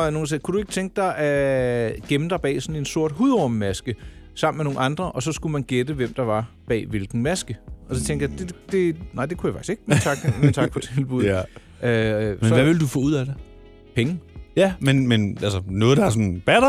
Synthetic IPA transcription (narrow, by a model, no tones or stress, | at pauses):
ɒno̝ːn̩s̬ekʰud̥ue̝ɡ̥t͡sʰeŋɡ̥əd̥ɑ̈ɪʔæ | ɡ̥emn̩d̥ɑ̈ɪb̥ɛ̰ːsɒ̽ne̝nso̝ɐ̰d̥ɦuðˠɒməmæsɡ̥əsɑ̈m̰n̩meno̝ːŋn̩ɑ̈nd̥ʁɐʔɒ̽sɒ̽sɡ̥umænɡ̥ed̥əʋem̰d̥ɑ̈ʋɑ̈b̥ɛ̰ːʋe̝lɡ̥n̩mæsɡ̥əʔɒ̽sɒ̽t͡sʰeŋɡd̥jɑd̥e̝d̥e̝nɑ̈ɪ̰d̥e̝kʰujɑ̈fɑ̈ɡ̥i̥se̝ɡ̥mint͡sʰɑ̈ɡ̥mint͡sʰɑ̈ɡ̥pʰɒ̽t͡sʰe̝lb̥uðˠ | ømesnʋæʋe̝ld̥ufɔ̰̽ːuð̰ˠæde | pʰeŋəjæmenmenælsənɔ̽ːð̞̩ˠd̥ɑæɐs̬ɔ̽nb̥æɾ̥a